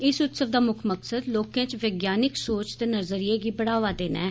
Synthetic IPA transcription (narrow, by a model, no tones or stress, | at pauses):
ɪsʊt̪səʋd̪aːmʊkʰməksəd̪loːkãːt͡ʃʋeːɡjaːnɪksoːt͡ʃt̪eːnəɾzəɾieːɡiːbəɽaːʋaːd̪eːna̰ː